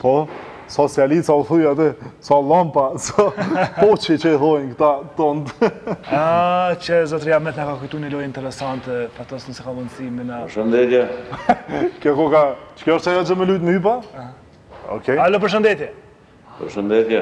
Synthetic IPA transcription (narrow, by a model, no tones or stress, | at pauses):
pɔ | sɔsialit͡saθujat̪ɛsalˠampasɔpɔt͡ʃɛt͡ɕəɛθɔjnkt̪at̪ɔnd̪at͡ɕəzɔt̪ɾijamɛt̪nakakujt̪unɛlɔjint̪ɛɾɛsant̪ɛpat̪ɔsnəsɛkalɔnsiminapəɾʃənd̪ɛt̪jɛ | kjɔkɔkat͡ʃkɔɾt͡ʃajat͡ʃəmɛlujt̪myp̬a | ɔ̰kɛalɔp̬əɾʃ̬ənd̪ɛt̪jɛ | pəɾʃənd̪ɛt̪jɛ